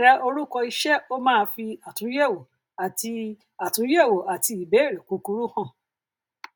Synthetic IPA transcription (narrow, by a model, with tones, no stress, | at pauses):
ɾa˧o˧ɾu˦kɔ˧i˧ʃɛ˦o˦mãː˦˧fi˧a˨tũ˨˦ɛ˦˨wo˨ | a˨ti˧ | a˨tũ˨˦jɛ˦˨wo˨a˨ti˧˦i˨bɛ˨˦e˦˨ɾe˨ku˨˧ku˧˦ɾu˦hã˦˨